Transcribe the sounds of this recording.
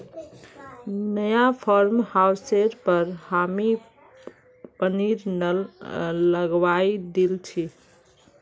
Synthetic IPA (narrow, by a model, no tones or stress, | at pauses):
nəjapʰɔɾmhawseɾpəɾhami | pəniɾnəlləɡʋajd̪elt͡ʃʰi